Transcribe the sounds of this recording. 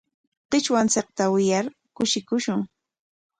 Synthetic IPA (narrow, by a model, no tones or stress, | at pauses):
qɪt͡ʃwant͡sɪq̚t̪awɪjaɾ | kʊʃɪkʊʃʊŋ